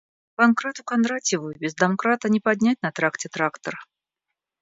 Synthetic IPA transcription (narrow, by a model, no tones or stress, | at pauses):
pankɾat̪ʊkɐnd̪ɾatʲɪvujʊbʲɪzd̪ɐmkɾat̪ənʲɪpad̪ʲnʲætʲnɐt̪ɾaktʲɪt̪ɾakt̪ər